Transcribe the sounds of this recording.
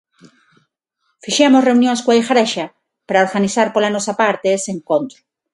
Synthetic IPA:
fiʃemosreunjonskwaixaɾeʃa | paɾaoɾɣaniθaɾpolanosapaɾt̪eeseŋkont̪ɾo

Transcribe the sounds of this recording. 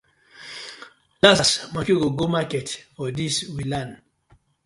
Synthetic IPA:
lassmakiɡoɡomakɛtfɔdiswilãn

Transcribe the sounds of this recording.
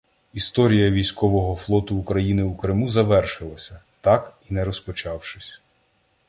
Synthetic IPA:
ist̪ɔɾʲijɐʋʲijsʲkɔʋɔɦɔflˠɔt̪ʊːkɾɐjinɪukɾɪmuzɐʋɛrʃɪlˠɐsʲɐt̪ɑkinɛɾɔspɔt͡ʃɑwʃɪsʲ

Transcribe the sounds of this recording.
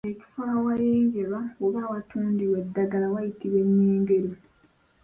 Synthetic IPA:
eci̥faːwajeːɲɟe̞βaoβaːwatuːndiwe̞dːaɡalawajitiβe̞ɲːeːŋɡe̞ɾo

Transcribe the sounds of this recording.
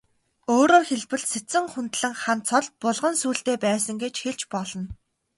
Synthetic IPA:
oːɾoːxeɮpɘ̆ɮset͡sɘ̆ŋχʊnt̪ɮɘ̆ŋχant̪t͡sʰɔɮ̚pʊɮʁə̆nsuːɬt̪eːpæːsə̆ŋɡet͡ɕxeɮt͡ɕpɔɮɞ̆n

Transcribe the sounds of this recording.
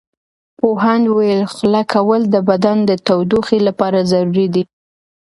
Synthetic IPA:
poɦand̪wajəlxlakʰawəld̪əbad̪and̪ət̪awd̪uxilapɑɾazaɾuɾid̪i

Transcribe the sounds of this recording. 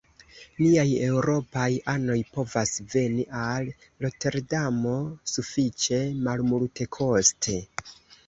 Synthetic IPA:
liaje̞wɾo̞pajano̞jpo̞vasve̞niʔalː | o̞te̞ɾdamo̞sufit͡ʃe̞malmulte̞kʰo̞stʰe̞

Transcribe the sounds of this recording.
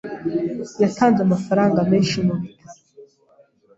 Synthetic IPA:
jatʰaːndamafaɾaːŋɡameʃimuɾit

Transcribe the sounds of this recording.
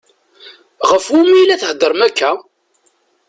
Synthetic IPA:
ʁəfumijlæθhd̪ːəɾˤmækːæ

